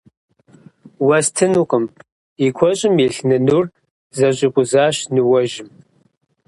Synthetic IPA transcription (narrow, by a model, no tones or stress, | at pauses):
wɐstʰɨnuqʼəm | ikʷʰɔɕʼɪmjɛɬnɨnur | zɐɕʼɪqʷʼʊzaːɕnɨwɔʒɪm